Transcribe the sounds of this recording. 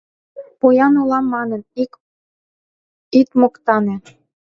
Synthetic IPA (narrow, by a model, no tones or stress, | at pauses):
pojɑnulɑmːɑnə̆n | ik̪mŏkt̪ɑne